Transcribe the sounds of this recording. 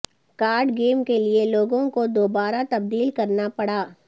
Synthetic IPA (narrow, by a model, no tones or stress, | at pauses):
kaːɾɖɡeːmkelieloːɡõkod̪oːbaːɾat̪ɐb̚d̪iːlkɐɾnapɐɽaː